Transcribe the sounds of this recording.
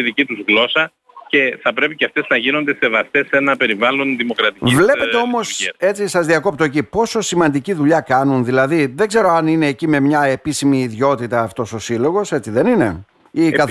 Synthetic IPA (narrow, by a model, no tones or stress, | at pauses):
iðicit̪uzɣlo̞sɐ | ce̞θɐpɾe̞piceɐft̪e̞znɐʝino̞nd̪e̞se̞vɐst̪esːe̞nɐpe̞ɾivɐlo̞nðimo̞kɾɐt̪ivle̞pe̞t̪eo̞mo̞se̞t͡sisɐzðiɐko̞p̚t̪o̞ecipo̞so̞simɐnd̪iciðuʎɐkɐnunðilɐðiðe̞ɡze̞ɾo̞ɐnine̞ːcime̞mɲɐe̞pisimiːðʝo̞t̪it̪ɐːft̪o̞so̞silo̞ɣo̞se̞t͡siðe̞nine̞ | ikɐ